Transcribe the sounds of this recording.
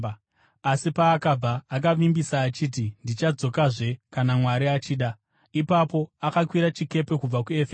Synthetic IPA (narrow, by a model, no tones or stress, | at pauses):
asipaːkab͡vaːk̬aʋimbisaːt͡ʃiːt̬indit͡ʃad͡zo̞kaʐe̞kanamwaɾiat͡ʃiːɗa | ipapo̞akakwiɾat͡ʃike̞pe̞kub͡vakue̞fe